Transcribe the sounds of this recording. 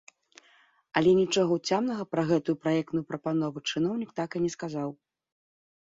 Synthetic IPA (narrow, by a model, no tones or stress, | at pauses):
ɐlʲɛnʲit͡ʂɔɣɐut͡sʲamnɐɣɐpɾɐɣɛt̪ujupɾajɛkt̪nujupɾɐpanɔvut͡ʂɨn̪ɔwnʲik̚t̪akɨnʲɛskazaw